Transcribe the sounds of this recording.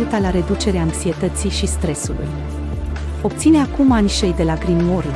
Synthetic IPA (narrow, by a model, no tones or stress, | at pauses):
lt̪alaɾe̞d̪ut͡ʃe̞ɾeaːŋksie̞t̪ət̪siʃist̪ɾe̞sulṵj | o̞p̚t̪sine̞akumanʲʃejd̪e̞laɡɾimo̞r